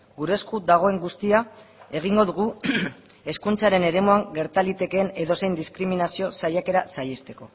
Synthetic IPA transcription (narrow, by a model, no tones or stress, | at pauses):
ɡuɾe̞skud̪aɣ̞o̞e̞ŋɡust̪iae̞ɣ̞iŋɡo̞ðuɣ̞u | e̞skunt͡saɾe̞ne̞ɾe̞muaŋɡe̞ɾt̪alit̪e̞kene̞ðo̞sejnd̪iskɾiminasio̞sajake̞ɾasajest̪e̞ko̞